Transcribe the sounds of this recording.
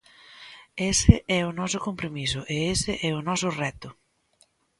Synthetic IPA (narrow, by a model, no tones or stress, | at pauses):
esɪʔɛʊnɔsʊkompɾomisʊʔeesɪʔɛʊnɔsʊrɛt̪ʊ